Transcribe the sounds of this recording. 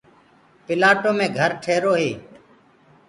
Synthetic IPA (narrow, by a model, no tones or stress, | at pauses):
pɪlaːʈoːmẽːɡʱəɾʈʰeːɾoːɦeː